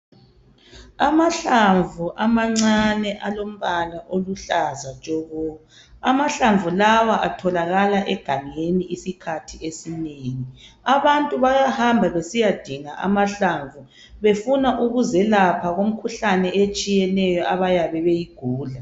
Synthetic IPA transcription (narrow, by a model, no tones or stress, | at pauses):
amaɬaɱvʱuʔamaŋ͡ǀanɛʔalom̩βalaʔoluɬazat͡ʃʼɔɣɔ | amaɬaɱvulawaʔatʰɔlaɣalaʔɛɡ̥ʱaŋeniisikʰatʰiesineːŋi | aβantʼuβajahambʱaβesijad̥ʱiŋaʔa̰maɬaɱvu | βefunaʔuɣuzɛlapʰaɣom̩kʰuɬanɛet͡ʃʼijɛnɛjɔaβajaβɛβejiɡ̥ʱuːɮa